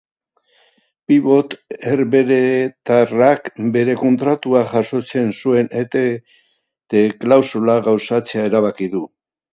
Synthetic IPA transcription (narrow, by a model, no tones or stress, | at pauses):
piβo̞t̪eɾβe̞ɾet̪arakbe̞ɾe̞ko̞nt̪ɾat̪uaʝaso̞t͡se̞nsue̞net̪e | t̪eklawsulaɣawsat͡se̞ae̞ɾaβakiðu